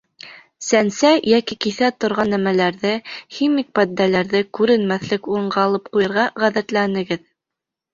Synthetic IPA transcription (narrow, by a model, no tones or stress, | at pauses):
sænsæjækikiθæt̪ŏɾʁɑnːæmælæɾðɘximik̚pæd̪nælæɾðɘkʉɾɘ̆nmæθlɘkuɾɤ̆ɴɢɑːlˠɤp̚qujɤ̆ɾʁɑʁæðæt̪lænɘ̆ɡɘð